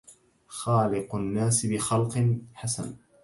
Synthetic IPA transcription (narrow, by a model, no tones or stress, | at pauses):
xaːlɪqʊnːaːsbɪxalqħasa̰n